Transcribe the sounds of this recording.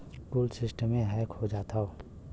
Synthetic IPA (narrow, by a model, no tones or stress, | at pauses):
kuːlsɪsʈəmːẽɦɛːkhod͡ʒaːt̪ʰao